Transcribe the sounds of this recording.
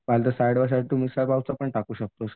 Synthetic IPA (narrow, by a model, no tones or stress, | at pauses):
ʋalt̪əsajɽʋəɕ̬aʈt̪umisapawt͡sapəɳʈakuːɕək̚t̪os